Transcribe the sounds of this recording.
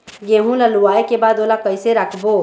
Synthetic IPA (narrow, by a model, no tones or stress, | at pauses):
ɡeɦũlaluaekebad̪olakəjseɾakʰbo